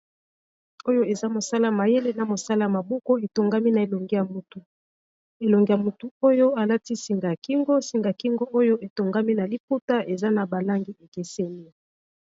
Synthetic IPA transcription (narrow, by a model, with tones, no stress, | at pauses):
o˦jo˦e˨za˦mo˨sa˦la˦˨a˨ma˨je˦le˦na˨mo˨sa˦la˦ja˨ma˨bo˦ko˦e˨to˨ŋɡa˦mi˦na˨e˨lo˨ŋɡi˦ja˨mu˨tu˨ | e˨lo˨ŋɡi˦ja˨mu˨tu˨o˦jo˦a˨la˦ti˦si˨ŋɡa˨a˨ki˦ŋɡo˦si˨ŋɡa˨ki˦ŋɡo˦ʔo˦jo˦ʔe˨to˨ŋɡa˦mi˦na˨li˦pu˦ta˦ʔe˨za˦na˨ba˨la˦ŋɡi˦ʔe˨ke˨se˦ni˦